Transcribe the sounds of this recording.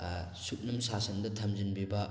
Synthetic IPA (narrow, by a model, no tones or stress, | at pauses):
suk̚nɐmsasɐndɐtʰɐmzinbibɐ